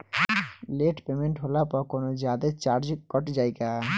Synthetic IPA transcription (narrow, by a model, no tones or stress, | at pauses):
leʈpemeɳʈɦolapɔkonod͡ʑad̪et͡ɕaɾd͡ʑkɔʈd͡ʑajɡa